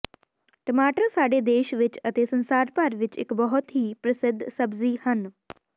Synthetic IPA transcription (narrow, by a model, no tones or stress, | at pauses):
ʈəmaːʈəɾsaːɖeːd̪eːʃʋɪt͡ʃət̪eːsənsaːɾpəɾʋɪt͡ʃɪ̰kbɔɦʊt̪ɦiːpɾəsɪd̪ʱsəbziːhən